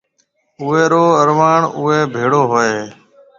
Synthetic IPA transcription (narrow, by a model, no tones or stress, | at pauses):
ʊeːɾoːəɾʋaːɳʊeːbʱeːɽoːɦoːeː